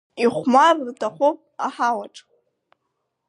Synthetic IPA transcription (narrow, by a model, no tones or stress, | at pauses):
iχʷmarrtʰaχʷopʼaħawaʈ͡ʂʼ